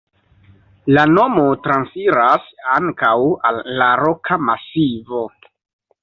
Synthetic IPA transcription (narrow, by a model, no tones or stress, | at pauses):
lano̞motɾansiɾasaŋkawalːaɾo̞kʰamasivo̞